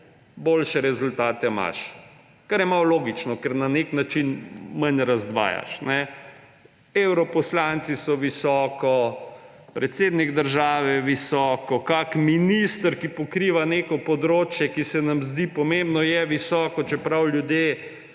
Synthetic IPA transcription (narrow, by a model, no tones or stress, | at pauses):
boːlʃɛɾɛzult̪aːt̪ɛma̰ʃ | kaɾjɛmawloːɡit͡ʃnɔkɛɾnaneknat͡ʃinmanɾazd̪ʋa̰ːja̰ʃnɛ | ewɾɔpɔslant̪sisɔʋisɔːkɔ | pɾɛt̪seːd̪nikd̪əɾʒaːʋɛʋisɔːkɔkakminist̪əɾkipɔkɾiːʋanekɔpɔd̪ɾoːt͡ʃjɛkisɛnamzd̪ipɔmembnɔjɛʋisɔːkɔt͡ʃɛpɾawljud̪je